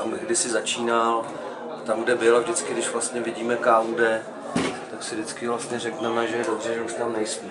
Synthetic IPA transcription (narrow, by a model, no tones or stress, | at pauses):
amɡɡdɪsɪzat͡ʃiːnal | ʔat̪amɡdɛbɪlavʒdɪt͡skɪdɪʃvlast̪ɲɛvɪɟiːmɛkaːmɡdɛ | t̪aksɪdɪt͡skɪvlast̪ɲɛrɛknɛmɛʒɛjɛdobr̝ɛʒɛuʃt̪amnɛjsmi